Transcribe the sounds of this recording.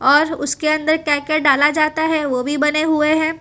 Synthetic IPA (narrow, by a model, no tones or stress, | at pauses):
ɔːɾʊ̰skeɐ̃nd̪əɾkɛːkeɖaːlad͡ʒaːt̪aɦɛʋoːbʱibɐneɦueɦɛ̃ː